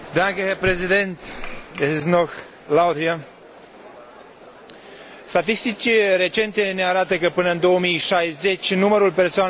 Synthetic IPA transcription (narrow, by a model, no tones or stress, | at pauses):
d̪akəɦepɾezid̪ent̪esiznox | lawd̪ia | st̪at̪̬ist̪it͡ʃiɾe̞t͡ʃe̞nt̪e̞ne̞aɾat̪əkəpɨnəɨnd̪o̞əmijʃajze̞t͡ʃʲnuməɾulpe̞rsoan